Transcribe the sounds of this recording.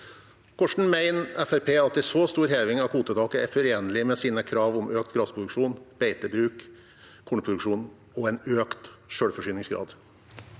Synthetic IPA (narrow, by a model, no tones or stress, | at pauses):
kʰɔʂɳ̩mæɪnɛfæɾpʰeːɑt̪d̪ɛsoːst̪uːɾheːʋɪŋɑʋkʰuːt̪ət̪ɑːkəæɾfɔɾeːnəlɪmɛsiːnəkʰɾɑːʋɔmʔøːk̚t̪ɡɾɑspɾʊd̪ʉkʂuːnb̥eɪt̪əbɾʉːkʰː | uːɳpʰɾʊd̪ʉkʂuːn | ɔɛɪnøːkt̪ʃøːɽfɔʂyːnɪŋsɡɾɑ̰ːd̪